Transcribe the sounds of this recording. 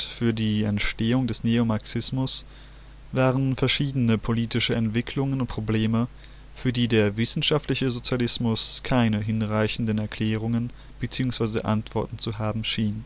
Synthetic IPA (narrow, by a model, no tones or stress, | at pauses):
fyːɐdiːɛntʃteːʊŋdɛsneomaɐksɪsmʊs | vaːʁənfɛɐʃiːdənəpʰoliːtɪʃəɛntv̥ɪkʰlʊŋənʊntpʁ̥obleːmə | fyːɐdiːdeːɐvɪsn̩ʃaftlɪçəzot͡sjalɪsmʊskʰaɪnəɦɪnʁaɪçn̩dənɛɐkʰl̥ɛːʁ̞ʊŋən | b̥ət͡siːʊŋsv̥aɪzə̰ʔa̰ntv̥ɔɐtn̩t͡suɦaːbm̩ʃiːn